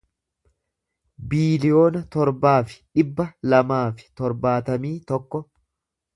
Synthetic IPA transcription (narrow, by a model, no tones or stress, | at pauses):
biːlɪjo̞ːnɐt̪ɔɾbaːfɪ̥ᶑɪbːɐlɐmaːfɪ̥t̪ɔɾbaːt̪ɐmiːt̪ɔkːɔ